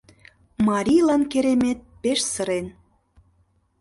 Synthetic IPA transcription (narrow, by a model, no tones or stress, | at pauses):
mɑɾʲijlɑnkeɾemet̪̚peʃsə̆ɾen